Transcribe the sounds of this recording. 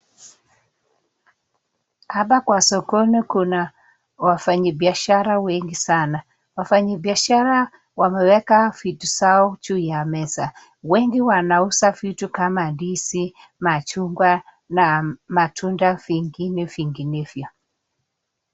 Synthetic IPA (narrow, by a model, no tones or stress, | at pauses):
aɓakwasɔkɔnikuna | wafaɲabiaʃaɾawɛŋɡisana | wafaɲabiaʃaɾa | wamɛwɛkavitusaɔt͡ʃuːjamɛsa | wɛŋɡiwanausavitukamadisi | mat͡ʃuŋɡwa | namatʰundaviŋɡinɛviŋɡinɛvjɔ